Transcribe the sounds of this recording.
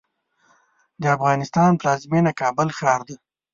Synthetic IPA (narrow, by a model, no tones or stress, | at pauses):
d̪əafɣɑnɪst̪ɑnplɑzmenakɑbəlxɾɑɾd̪i